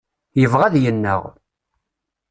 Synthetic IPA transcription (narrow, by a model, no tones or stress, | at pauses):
jəvʁæðjənːə̰ʁ